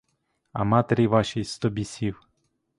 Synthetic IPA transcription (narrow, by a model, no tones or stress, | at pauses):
ɐ̰mɑt̪eɾʲiʋɑʃijst̪ɔbʲisʲiw